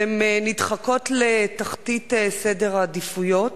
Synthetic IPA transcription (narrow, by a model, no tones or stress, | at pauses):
emnidχako̞t̪letaχtitesede̞ʁaːdifujo̞t